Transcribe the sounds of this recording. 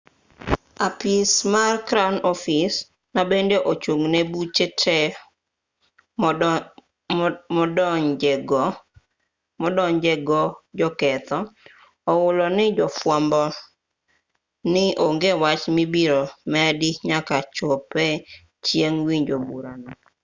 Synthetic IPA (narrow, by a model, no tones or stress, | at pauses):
apismarkɾanɔfis | nabendeʔot͡ʃuŋnebut͡ʃetʰɛ | mɔdd͡ʒeɡɔ | mɔdɔŋd͡ʒeɡɔd͡ʒɔkɛt̪ɔ | ɔwʊlɔnɪd͡ʒɔfwɔmbɔ | nɪʔoŋɡewat͡ʃmibiɾomɛdiɲakat͡ʃopɛ | t͡ʃjeŋwiɲd͡ʒobuɾanɔ